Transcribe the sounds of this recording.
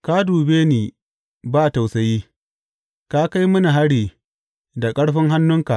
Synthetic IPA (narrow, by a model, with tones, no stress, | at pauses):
ka˦duː˨beː˦niː˨ | baː˦˨ta˨wsɐ˨jiː˦ | ka˦ka˦jmɐ˦ni˨ɦa˦ɽiː˨ | da˨kʼɐ˦ɽɸɪ˦ŋɦa˦nːʊ˦ŋka˨ʔ